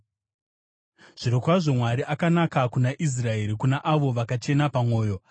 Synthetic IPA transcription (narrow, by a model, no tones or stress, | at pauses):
ʐ̥iɾokwaʐo̞mwaɾiʔakanakakunaʔis̬rae̞ɾikunaʔaʋo̞ʋakat͡ʃe̞napamwo̞ːjo̞